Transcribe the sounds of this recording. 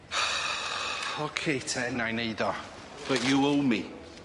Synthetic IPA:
ɔkʰeːtʰɛnajneɨðɔ | b̥əʔjuowmi

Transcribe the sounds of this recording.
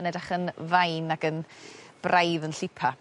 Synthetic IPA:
nɛdaχənvajnaɡənb̥rʔajðənɬɪpʰa

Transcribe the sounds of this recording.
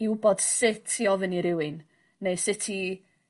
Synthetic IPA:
ɪwbod̥sɪtʰjɔvəniɾɪwɪnː | ejsɪtʰi

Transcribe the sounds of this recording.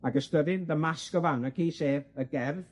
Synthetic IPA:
aɡəstəðɪnðəmaskɔvawnəkʰiːseːvəɡɛrv

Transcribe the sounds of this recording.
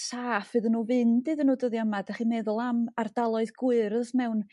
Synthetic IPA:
saːfɨðənuːvɨnd̥ɨːðənuːdəðjamadaχimɛðʊlˠamard̥alˠɔɨðɡʊɨɾsmɛwn

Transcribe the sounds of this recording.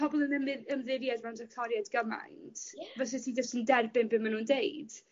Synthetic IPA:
pʰɔbɔlˠənəməmðɪvjadmɛwndɛk̚tʰɔɾjadɡəma̰jntʰvɛs̬ɛtʰid͡ʒɔstəndɛrbɪnbɪnmanuːndeɨd̥

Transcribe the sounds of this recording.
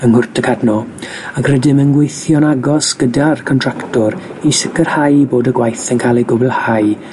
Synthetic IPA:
ənhʊrtʰəkʰadnɔ | akʰrɛdɪmənɡwejθjɔnaɡɔsɡ̥ədarkʰɔntʰr̥aktɔɾ | isɪkərhajboːdəɡwajθənkʰalˠejɡʊbɛlˠhaj

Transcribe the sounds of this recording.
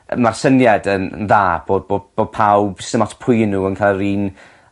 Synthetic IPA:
marsənjadənə̰nðaːb̥oːdbob̥oːd̚pʰawb̥səmatʰpʰʊjnuːənkʰalˠɾiːn

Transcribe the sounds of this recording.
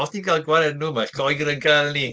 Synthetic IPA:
ɔsninɡʰalˠɡwaɾɛdnumaɬɡ̥ɔjɡɾənɡʰalˠni

